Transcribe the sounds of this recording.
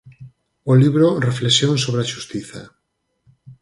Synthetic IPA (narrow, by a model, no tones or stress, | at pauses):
oliβɾoreflesjõŋsoβɾeaʃust̪iθa̰